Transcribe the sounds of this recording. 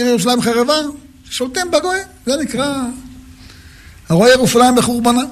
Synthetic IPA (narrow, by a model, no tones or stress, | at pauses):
eljeuʃ̬alaimχaʁeva | ʃe̥ʃolt̪embaɡo | zenikʁa | haʁojeʁuʃalajimbeχuʁbana